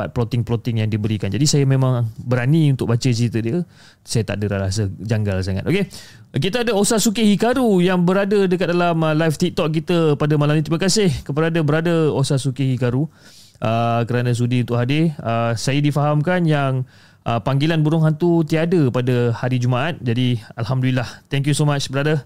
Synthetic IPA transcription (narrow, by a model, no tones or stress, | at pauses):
pa̰t̪̚plot̪ɪŋplot̪ɪŋjaŋdibəɾikand͡ʒadisajəmẽmãŋbəɾaniunt̪ʊk̚bat͡ʃət͡ʃit̪ədiə | sajat̪a̰ʔdəɾaɾasəd͡ʒaŋɡals̬aŋa̰t̪ʔoke | kit̪əadəosasukihikaɾujaŋbəɾadədəkat̪̚dalaməlajft̪ik̚t̪ɔk̚kit̪əpadəmalamnĩt̪ɾiməkasɪhkəpəɾadəbəɾadəosasukihikaɾu | ʔəkəɾanə̃s̬udiunt̪ʊʔɦadɪəsajədifaɦamkanjaŋ | ʔəpaŋɡilanbuɾʊŋɦant̪ut̪iadəpadəhaɾid͡ʒumaʔat̪̚d͡ʒadialɦamdulilaht̪ɛŋkjusomat͡ʃbəɾadə